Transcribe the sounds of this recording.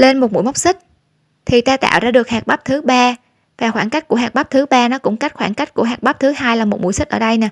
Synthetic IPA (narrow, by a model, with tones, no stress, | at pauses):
le˧nmo˨˩t̚mṵ˧˥˨jma˦˥k͡p̚sï˦˥k̟̚ | t̪ʰi˨˩t̪aː˧t̪a̰ː˧˨wzaː˧ɗɨ˨˩ək̚haː˨˩k̚ɓa˦˥p̚t̪ʰɨ˨˦ɓaː˧ | vaː˨˩xwaː˧˩ŋka˦˥jk̟̚ku˧˩əɦaː˨˩k̚ɓa˦˥p̚t̪ʰɨ˨˦ɓaː˧nɔ˨˦kʊ̰˧˥ŋ͡mka˦˥j̟̚xwaː˧˩nka˦˥jk̟̚ku˧˩əɦaː˨˩k̚ɓa˦˥p̚t̪ʰɨ˨˦haː˧jlaː˨˩mo˨˩t̚mṵ˧˩jsi˦˥k̚ʔəː˧˩ɗə˧jnɛː˨˩